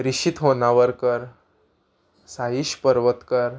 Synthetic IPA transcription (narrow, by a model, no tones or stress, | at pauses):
ɾiɕit̪ɦonaʋəɾkəɾ | saɦiɕpəɾʋət̪kəɾ